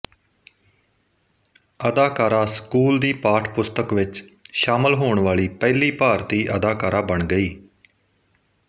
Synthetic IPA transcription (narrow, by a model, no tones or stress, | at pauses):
əd̪aːkaːɾaːskuːld̪iːpaːʈʰpʊst̪əkʋɪt͡ʃʃaːməlɦoːɳʋaːliːpɛːliːpaːɾt̪iːʔəd̪aːkaːɾaːbəɳɡəiː